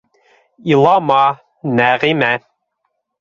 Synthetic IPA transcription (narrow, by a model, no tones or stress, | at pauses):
ilˠɑmɑ | næʁimæ